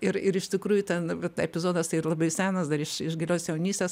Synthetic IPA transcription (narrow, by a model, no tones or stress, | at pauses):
ɪɾɪɾɪʃt̪ʲɪkɾuːjʊt̪ʲɛnt̪ɛpʲɪzoːd̪ɐst̪ɐɪrlˠɐbɐɪsʲæːnɐsd̪ɐɾɪʃɪʒɡʲɪlʲoːsjɛʊnʲiːsʲt̪ʲes